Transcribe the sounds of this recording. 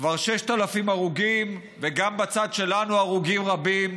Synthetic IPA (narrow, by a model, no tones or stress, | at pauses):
kvaʁʃeʃt̪alafimaʁuɡim | veɡambat͡sad̪ʃe̞lanuaʁuɡimʁabim